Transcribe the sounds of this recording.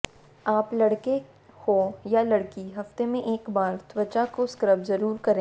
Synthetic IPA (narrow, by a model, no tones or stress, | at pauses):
aːplɐɽke | kojalɐɽkiɦɐft̪emẽʔeːkbaːɾt̪wət͡ʃakoskɾəbzɐɾuːɾkɐɾẽː